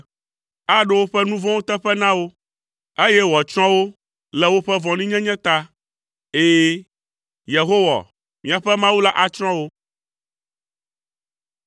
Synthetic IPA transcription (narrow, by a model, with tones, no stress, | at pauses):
a˦ɖe˦wo˦ɸɛ˦nũ˦vɔ̃˦wo˦t̪ɛ˦ɸɛ˦nã˦wo˦ | e˦jɛ˦wɔ˨t͡ʃɾɔ̃˦wo˦ | lɛ˨wo˦ɸɛ˦vɔ̃˨nĩ˦ɲɛ̃˦ɲɛ̃˦t̪a˦ | eː˦ | je˨ɦo˦wa̰˨ | mĩ˨a˨ɸɛ˦mã˦wu˦la˦ʔa˨t͡ʃɾ̃ɔ̃˦wo˦